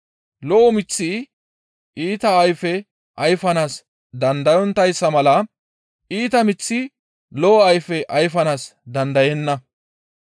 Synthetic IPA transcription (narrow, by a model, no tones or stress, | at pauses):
lɔʔɔmɪt͡sːi | ʔiːt̪ɐːjfɛ | ʔɐjfɐnaːs | d̪ɐnd̪ɐjɔnt̪ɐjsːɐmɐlɐ | ʔiːt̪ɐmɪt͡sːi | lɔʔɔɐjfɛʔɐjfɐnaːsd̪ɐnd̪ɐjɛnːɐ